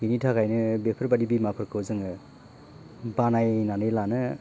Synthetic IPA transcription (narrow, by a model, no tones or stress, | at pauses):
initʰakajnɯbepʰɯɾbadibimapʰɯɾkʰɯwzɯŋɯ | banajnanɯjlanɯ